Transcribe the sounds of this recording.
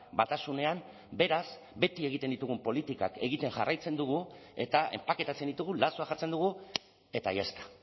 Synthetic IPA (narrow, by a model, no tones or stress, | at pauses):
bat̪asune̞am | be̞ɾas | be̞t̪ie̞ɣit̪end̪it̪uɣ̞umpo̞lit̪ikake̞ɣit̪e̞ŋʝarajt͡se̞nd̪uɣ̞ue̞̰t̪aʔe̞̰mpake̞t̪at͡se̞nd̪it̪uɣulasoaxat͡se̞nd̪uɣ̞u | e̞t̪ajest̪ḁ